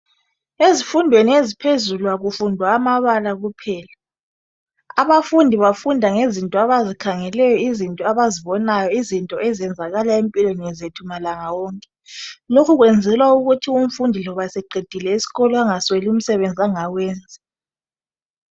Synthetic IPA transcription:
ezifundʱweniezipʰezulwaɣufundʱwaːmaβalaɣupʰɛːla | aβafundʱiβafundʱaŋezintʼɔaβazikʰaŋɛlɛjɔizintʼɔaβaziβɔnajɔizintʼɔɛzɛnd͡zʱaɣalaempʼilweniɛzetʰumalaŋawɔːŋkʼɛ | lokʰuɣwɛnd͡zʱɛlwauɣutʰium̩fundʱilɔβasɛɡ͡ǃʱed̥ʱilɛisi̥ɣɔlɔaŋaswelium̩sɛβend͡zʱiaŋawɛːnd͡zʱɛ

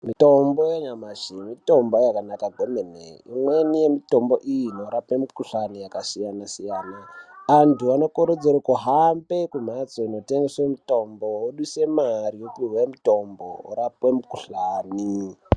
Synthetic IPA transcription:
mito̞mbojeɲamaʐimito̞mbo̞jakanakaɡʱo̞menḛḭmwenije̞mito̞mboʔijino̞ɾapwemikuɬanijakasijanasijaːnaːntuano̞koɾod͡zeɾokuɦambe̞kum̤at͡soino̞teŋɡesemito̞mbowoɗuse̞marijokurwemito̞mboo̰ɾapwemukuɬaːni

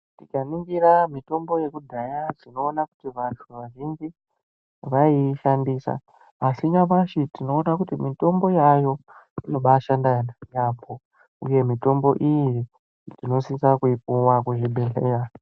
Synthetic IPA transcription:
tikaniŋɡiɾamito̞mbo̞je̞kudʱajad͡zino̞ːnakutiʋatʰuʋaʒind͡ʒi | ʋaiʃandiːsa̰ː | siɲapaʃitino̞ːnakutimito̞mbo̞jajo̞ino̞ɓaʃandanajapʰo̞ | ṵje̞mito̞mbo̞ʔiji | tino̞sisakuipuwakuʐiɓʱe̞ɬeːra

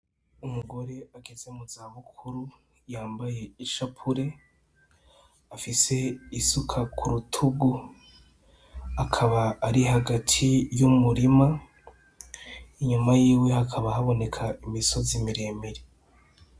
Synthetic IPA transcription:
umuɡo̞ɾe̞aɡe̞ze̞muzaːβukʰuɾu | jaːmbaje̞iʃapʰuɾe̞ | afise̞isukʰakʰuɾutʰuɡu | akʰaβaːɾihaɡatʰijumuɾima | iɲumajiːwe̞hakʰaβahaβo̞ne̞kʰaimiso̞zimiɾe̞ːmeɾe

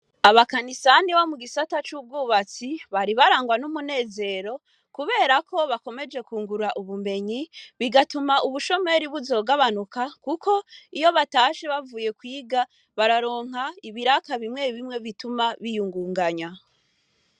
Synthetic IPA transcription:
aβakanisaniβomuɡisatat͡ʃuːb̚ɡuːβat͡siβaɾiβaɾaːŋɡwanumune̞ːze̞ɾo̞ | kuβe̞ːɾako̞βako̞me̞d͡ʒe̞kuːŋɡuɾaʔuβume̞ɲiβiɡatumaʔuβuʃo̞me̞ɾiβuzo̞ːɡaβanukakuko̞ijo̞βataʃeβavuːje̞kwiːɡa | βaɾaɾo̞ːŋ̥ɦaiβiɾakaβimŋe̞ɾiβimŋe̞βitumaβijuŋɡuːŋɡaɲa

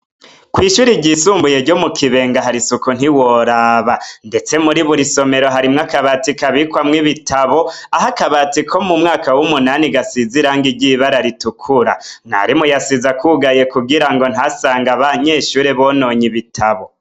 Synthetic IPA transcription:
kwiːʃuːɾiɟisuːmbuje̞ɾɟo̞mukʰiβe̞ːŋɡaɦaɾisukun̥iwo̞ɾaːβande̞t͡se̞muɾiβuɾiso̞me̞ɾo̞ɦaɾimŋakaβatikaβikwamŋiβitʰaβo̞aɦakaβatikʰo̞mumŋaːkawumunaniɡasiziɾaːŋɡiɾɟiβaɾaɾitukʰuɾa̰n̥a̰ɾimujasizakʰuɡaje̞kubɡiɾaŋɡo̞nhasaːŋɡaβaɲe̞ːʃuːɾeβono̞ɲiβitʰaβo̞

